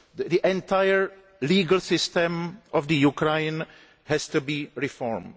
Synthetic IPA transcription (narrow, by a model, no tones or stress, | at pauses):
diʔɛ̃nt̪ajəɹ | liːɡəl̩sɪst̪ɛ̃mʔɔvdəjukɾeɪn | hɛst̪ubiːɹɪfɔɹm